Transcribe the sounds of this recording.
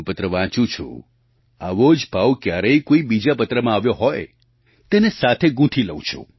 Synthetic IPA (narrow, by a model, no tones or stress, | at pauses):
pət̪ɾəʋãt͡ʃũt͡ʃʰṵ̃ | aʋod͡ʒbʱawkjaɾəjkoibid͡ʒapət̪ɾəmãaʋjoɦɔj | t̪enesat̪ʰeɡũʈʰiləwũt͡ʃʰṵ̃